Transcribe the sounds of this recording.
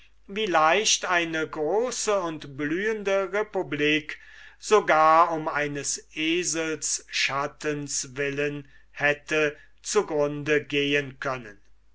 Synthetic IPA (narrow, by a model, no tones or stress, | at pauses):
viːlaɪʃtaɪnəɡʁoːsəʊntblyːəndəʁepubliːkz̥oɡaːɐʊmaɪnəsʔeːzəlsʃatənsvɪlən | hɛtə | t͡suɡʁʊndəɡeːənkʰœnən